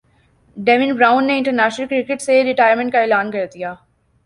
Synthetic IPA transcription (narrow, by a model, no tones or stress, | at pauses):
ɖɛːʋɪnbɾaːʊ̃nːeɪ̃ɳʈəɾnɛːʃnəlkɾɪkɪʈseɾɪʈaːjəɾmə̃ɳʈ̚kaeːlaːnkɐɾd̪ijaː